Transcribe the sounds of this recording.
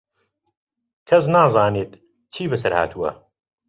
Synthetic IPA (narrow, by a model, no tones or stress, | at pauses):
kʰɐs̬naːzˤaːneːt̪ | t͡ʃʰiːbɨsɐɾha̰ːt̪ʰuwɐ̰